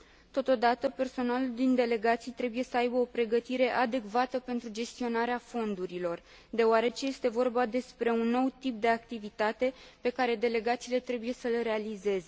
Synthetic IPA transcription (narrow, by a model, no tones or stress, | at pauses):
t̪o̞t̪o̞d̪at̪əpe̞rso̞naluld̪ind̪e̞le̞ɡat̪sijt̪ɾe̞buje̞səajbəo̞pɾe̞ɡət̪iɾe̞ʔad̪e̞kvat̪əpe̞nt̪ɾud͡ʒe̞st̪io̞naɾeafo̞nd̪uɾilo̞r | d̪e̞oaɾe̞t͡ʃeje̞st̪e̞vo̞rbad̪e̞spɾe̞unːo̞wt̪ip̚d̪e̞ak̚t̪ivit̪at̪e̞pe̞kaɾe̞d̪e̞le̞ɡat̪siːle̞t̪ɾe̞buje̞səlɾe̞alize̞ze̞